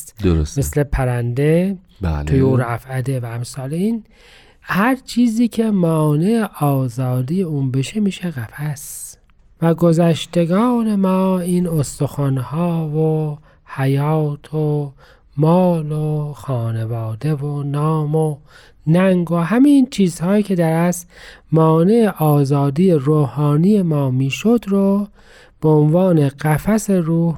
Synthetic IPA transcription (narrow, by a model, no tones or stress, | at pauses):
t̪d̪oɾosmeslepʰæɾænd̪e | bæ̰lʰojuːɾæfæd̪evæːmsɑːleiːn | hæɾt͡ʃʰiːziːcʰe̞mɒːneːʔɒːzɑːd̪iːjeuːnbe̞ʃemiːʃeɣæfæs | væɡozæʃt̪e̞ɡɑːne̞mɒːiːnost̪oxɑnhɑːvo | hæjɑːt̪ʰo | mɒːloxɒːnevɑːd̪e̞vonɒːmo | næŋɡoɦæmint͡ʃʰiːzhɑːjiːkʰe̞d̪æɾæsmɒːne̞eʔɒːzɑːd̪ijeɾoːhɑːnije̞mɒːmiːʃod̪ɾo | b̥eonvɑːneɣ̥æfæseɾuːh